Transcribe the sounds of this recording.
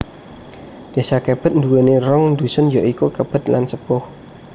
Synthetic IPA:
d̪̥e̤sakeb̥ə̤t̪̚nd̪uwenerɔŋnd̪usʊnjɔʔikukəb̥ə̤t̪̚la̰nsəpʊh

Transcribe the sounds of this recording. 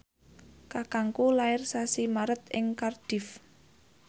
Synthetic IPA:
kakaŋkulaɪrsasimaɾət̪̚ɪŋkard̥ɪ̤f

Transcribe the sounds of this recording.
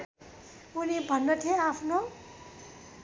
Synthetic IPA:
unibʱʌnːʌt̪ʰeapʰno

